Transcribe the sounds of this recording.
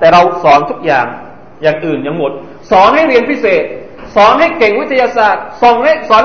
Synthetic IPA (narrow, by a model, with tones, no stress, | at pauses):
t̪ɛː˨˩ɾa˧wsɔː˩˦nt̪ʰu˦˥k̚jaː˨˩ŋ | jaː˨˩ŋʔɯː˨˩njaː˨˩ŋmo˨˩t̪̚ | sɔː˩˦nɦa˥˩jɾi˧ənpʰi˦˥seː˨˩t̪̚ | sɔː˨˩˦nɦa˥˩jke˨˩ŋwi˦˥t̪ʰːa˧jaː˧saː˨˩t̪̚so˨˩ŋa˥sɔː˨˦n